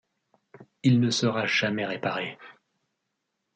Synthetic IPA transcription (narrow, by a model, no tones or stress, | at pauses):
ilnəsəʁaʒ̥amɛʁepaʁe